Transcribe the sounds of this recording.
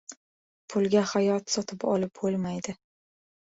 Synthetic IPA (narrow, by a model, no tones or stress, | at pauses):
pʰʊlˠɡʲahajɒt̪sɒt̪ʰɪpɒlɪp̚bolˠmajd̪ɪ